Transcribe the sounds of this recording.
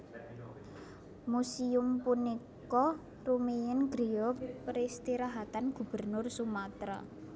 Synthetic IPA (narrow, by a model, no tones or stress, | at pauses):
musiʊmpunik | ɔ | rumejɪnɡɾiɔpɾist̪iɾaɦat̪anɡ̥ṳb̥ə̤rnʊrsumat̪ɾa̰